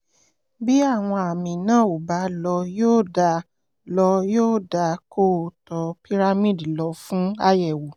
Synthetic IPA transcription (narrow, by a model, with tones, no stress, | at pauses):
bi˦a˦˨w̃ɔ̃˧a˨mĩ˨nãː˦˨o˨ba˨˦lɔ˧joː˦da˧ | lɔ˧joː˦˨da˧ko˦˨tɔ˨pi˦ɾa˦mĩ˦˨dlɔ˨˧˦fũ˦a˦jɛ˦˨wo˨